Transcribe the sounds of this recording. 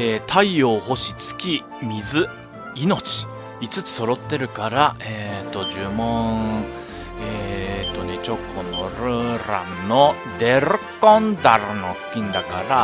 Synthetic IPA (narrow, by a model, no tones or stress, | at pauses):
et̪ʰaioːho̞ɕit͡sɨ̥kʲi | mʲizɨ | ino̞t͡ɕi̥ | it͡sɨt͡sɨ̥so̞ɾo̞t̪ːe̞ɾɯ̟kaɾaet̪ːo̞ʑɨːmõ | et̪ːo̞ne̞t͡ɕo̞kʰːo̞no̞ɾɯ̟ɾã̰nno̞ | d̪e̞ɾɯkõnd̪aɾɯno̞̰ɸɯ̥kʲĩnd̪akaɾa